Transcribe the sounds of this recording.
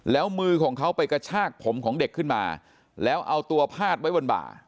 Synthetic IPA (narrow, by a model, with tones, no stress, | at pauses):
lɛː˦˥wmɯː˧kʰɔː˩˦ŋkʰa˦˥wpa˧jka˧t͡ɕʰaː˥˩k̚pʰo˩˦mkʰɔː˩˦ŋde˨˩kʰːɯ˥˩nma̰ː˧ | lɛː˦˥wʔa˧wt̪u˧ɐpʰaː˥˩t̪̚wa˦˥jwo˧nba̰ː˨˩t̚